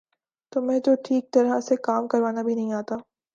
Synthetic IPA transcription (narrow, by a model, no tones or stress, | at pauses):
t̪oːmɛ̃ːd͡ʒoːʈʰiːk̚t̪ɐɾəsekaːmkɐɾʋaːnabʱinɐɦĩaːt̪aː